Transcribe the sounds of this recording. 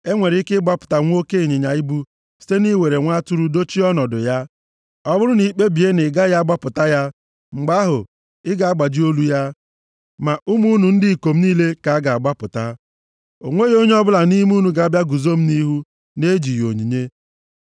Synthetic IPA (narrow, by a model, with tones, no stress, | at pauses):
e˦ŋʷe˨ɾɪ˦kɪ˦ɡ͡ba˦pʊ̥˨ta˨ŋʷ˦o˦ke˦i˨ɲɪ˨ɲa˨i˦bu˦ | si̥˦te˦ni˦we˨ɾe˨ŋʷa˦tu˦ɾu˦do˦t͡ʃi˦ɔ˦nɔ˨dʊ˨ja˦ | ɔ˦bʊ˦ɾʊ˦ni˨˦˨k͡pe˦bi˨e˦nɪ˨ɡa˦ja˦a˦ɡ͡ba˦pʊ˨ta˦ja˦ | ŋ͡m̩˨ɡ͡ba˦ɦʊ˨ | ɪ˦ɡa˨a˦ɡ͡ba˨d͡ʒi˦o˦lu˦ja˦ | ma˨ʔu˦mu˦nu˨n̩˦dɪ˦˨i˨ko˨m̩˦niː˦le˦ka˨a˦ɡa˨a˨ɡ͡ba˦pʊ˨ta˦ | o˨ŋʷe˦jo˦ɲe˦ɔ˦bʊ˦la˨ni˦m˦u˦nu˨ɡa˨a˦bja˦ɡu˨zo˦m̩˦ni˦ɦu˦ | ne˦d͡ʒi˨jo̰˨ɲi˨ɲe˦